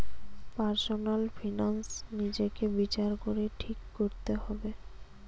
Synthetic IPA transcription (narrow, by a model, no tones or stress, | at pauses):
paɾsonalfʰinansnid͡ʑekebit͡ɕaɾkoɾeʈʰikːoɾt̪eɦɔbe